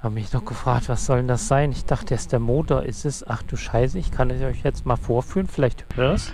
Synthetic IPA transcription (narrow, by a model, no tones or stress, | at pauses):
haːbəmɪçnɔχɡ̥əfʁ̥aːk̚tv̥asz̥ɔlndasz̥aɪnɪçd̥aχtəjɛsd̥eːɐmoːtoɐʔɪstɛsʔaχd̥uːʃaɪsəɪçkʰanɛsʔɔʏçjɛt͡stmaːlfoːɐfyːlənfɪlaɪçthdas